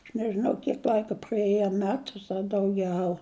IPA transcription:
ɐʃ nʲɛʒʲɪˈnɐʊ ˈkʲiɛk ˈlʲɐɪkɐ prɐˈeːjɛ ɐ ˈmʲæːtʊs ɐ dɐʊˈɡʲɛʊ

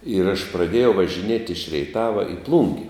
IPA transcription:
ɪr ɐʃ prɐˈdʲeːjɛʊ ʋɐʒʲɪˈnʲiɛtʲ ɪʃ rʲɛɪˈtɑːʋɐ ɪ ˈplˠuːŋʲɡʲɪ

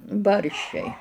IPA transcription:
ˈbɐrʲʃʲt͡ʃʲɛɪ

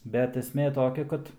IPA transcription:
bʲɛt ɛsʲˈmʲeː ˈtoːkʲɛ ˈkɐt

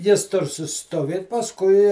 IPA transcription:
ˈjɪs ˈtʊr sʊsʲɪˈstoːʋʲeːt pɐsˈkʊɪ

